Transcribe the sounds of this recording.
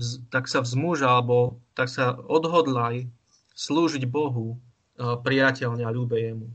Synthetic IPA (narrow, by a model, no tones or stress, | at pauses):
zt̪aksavzmuʒalɛbɔt̪aksaɔd̪ɦɔd̪laj | sluːʒiɟbɔɦu | pɾijacɛʎɲɛaʎuːbɛjɛmu